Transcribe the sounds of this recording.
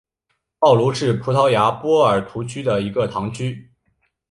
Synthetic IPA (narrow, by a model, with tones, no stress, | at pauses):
pɑ˥˩ʊlu˧˥ʂɻ̩˥˩pʰu˧˥t̪ʰɑ˧˥ʊja˧˥pwɔ˥ə˞˨˩t̪ʰu˧˥t͡ɕʰy˥d̪ə˨i˧˥ɡə˧t̪ʰɑ˧˥ŋt͡ɕʰy˥